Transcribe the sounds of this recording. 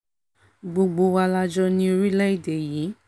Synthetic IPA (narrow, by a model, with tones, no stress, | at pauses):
ɡ͡bo˧ɡ͡bo˧wa˧la˧d͡ʒɔ˦nĩ˦o˧ɾi˦lɛ˦i˨de˨ji˨˦